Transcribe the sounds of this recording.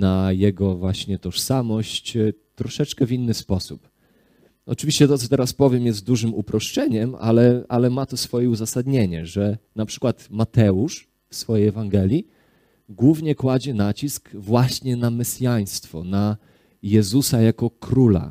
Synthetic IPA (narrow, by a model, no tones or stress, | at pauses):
najɛɡɔvwaɕɲɛt̪ɔʂsamɔɕt͡ɕt̪ːɾɔʂɛt͡ʂkɛvʲinːɘspɔsup | ɔ̰t͡ʂɨvʲiɕt͡ɕɛt̪ɔt̪sɔt̪ɛɾaspɔvʲjɛmjɛst̪̚d̪uʐɘmupɾɔʂt͡ʂɛɲɛma̰lɛʔalɛmat̪ɔsfɔjɛuzasad̪ɲeɲɛ̰ʐɛnapʂɘ̥kwat̪mat̪ɛuʂ | fsfɔjejɛvaŋɡɛlʲji | ɡwuvɲɛkwad͡ʑɛnat͡ɕiskvwaɕɲɛnamɛsʲjaj̃st̪fɔna | jɛzusajakɔkɾula̰